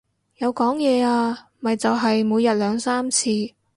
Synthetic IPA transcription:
jɐ˨˧wkɔː˨˥ŋjɛː˨˧aː˧˨ | mɐ˨jt͡sɐ˨wɦɐ˨jmuː˨˧jɐ˨t̚lœː˨˧ŋsaː˥mt͡sʰiː˧

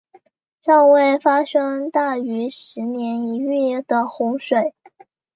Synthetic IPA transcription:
ʈ͡ʂɑ˥˧ʊwe˥˩ɪfa˥ʂɤ˥ŋt̪a˥˩y˧˥ʂɻ̩˧˥njɛ˧˥ni˧˥y˥˩d̪̥ə˩xʊ˧˥ŋʂwe˨˩˦ɪ

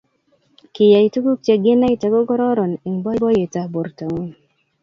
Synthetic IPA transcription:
kɪ˨ja˨i˨˦tu˦ɡu˦k̚t͡ʃe˨ɡɪ˦na˦i˨ta˨ɡɔ˦ɡɔ˦ɾɔ˦ɾɔ˨ne˨ŋbɔ˦bɔ˦je˨ta˨bo˨ɾta˨ŋu˦n

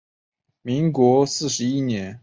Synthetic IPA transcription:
mi˧˥ŋkwɔ˧˥sɹ̩˥˩ʂɻ̩˧˥i˥˩njɛ˧˥˦n

